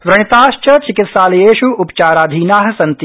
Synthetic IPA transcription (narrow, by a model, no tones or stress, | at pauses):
ʋɾɐɳ̃it̪aːʃt͡ʃɐt͡ʃɪkɪt̪saːlɐjeːʃuupt͡ʃaːɾaːd̪ʱiːnaːɦɐ̆sɐnt̪